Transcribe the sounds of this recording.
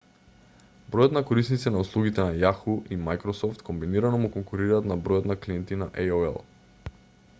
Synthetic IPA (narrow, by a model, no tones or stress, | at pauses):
bɾɔjɔt̪nakoɾisnit̪sɛnauslˠuɡit̪ɛnajaxuʔimajkɾɔsɔft̪kombiniɾanɔmukɔŋkuɾiɾaːt̪nabɾɔjɔt̪nakliɛnt̪inaʔɛjoɛ̰lˠ